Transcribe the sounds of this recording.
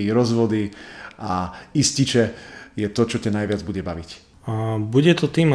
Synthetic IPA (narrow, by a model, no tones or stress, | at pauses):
iɾɔzʋɔd̪iaiscit͡ʃɛjɛt̪ɔt͡ʃɔcanajʋɪad͡zbuɟɛbaʋic | buɟɛt̪ɔt̪iːm